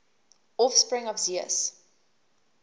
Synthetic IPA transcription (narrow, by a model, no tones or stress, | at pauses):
ɔfspɹɪ̃ŋɔvziə̰s